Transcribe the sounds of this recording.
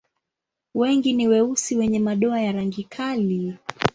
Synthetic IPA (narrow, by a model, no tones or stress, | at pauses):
wɛŋɡiniwɛusiwɛɲɛmaɗɔajaɾaŋɡikʰali